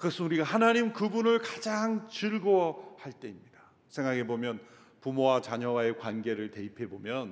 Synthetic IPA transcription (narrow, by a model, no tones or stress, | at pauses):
kɯɡʌsʰɯnuɾiɡahanaɲimkɯbunɯɭkad͡ʑaŋt͡ɕɯɭɡohaɭt͈e̞imɲida | sʰe̞ŋɡaɡe̞bomjʌn | pumowat͡ɕaɲʌwae̞kwanɡe̞ɾɯɭte̞ipʰe̞bomjʌn